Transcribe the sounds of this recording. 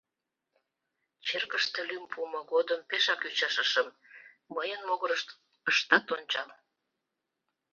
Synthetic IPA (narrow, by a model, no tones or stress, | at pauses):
t͡ɕerkəʃt̪elympumoɣod̪əmpeʃɑkyt͡ɕɑʃəʃəm | məjənmoɣəɾəʃt̪ | əʃt̪ɑt̪onʲt͡ɕɑl